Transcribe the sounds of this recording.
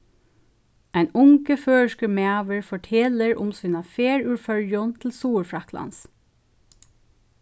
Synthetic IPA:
æɪnʊŋkəføːʃkəmeɑːʋəɹfɔʈʰɛləɹʊ̰msyːnɑfeːɹʉːɹfœɹjʊnt̪ʰl̩suːɹfɹɑkʰlɑ̰ns

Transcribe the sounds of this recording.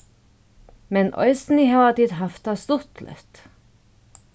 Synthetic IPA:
mɛnʔœ̰ʏsn̩iːhɑːʋɑt̪iːd̪hɑft̪ɑːst̪ʊt̪lʔœ̰ft̪

